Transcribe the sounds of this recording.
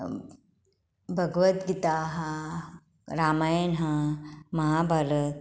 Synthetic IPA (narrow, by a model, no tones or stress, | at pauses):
bʱɐɡʋɐt̪ɡit̪aːɦɐ | ɾaːmaːjnɦɐmɐɦaːbʱaɾɐt̪